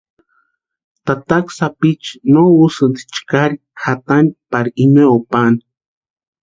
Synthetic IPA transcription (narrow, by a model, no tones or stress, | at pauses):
t̪at̪aksapit͡ʃnousɨnt̪t͡ʃkaɾi | xat̪anpaɾiineopan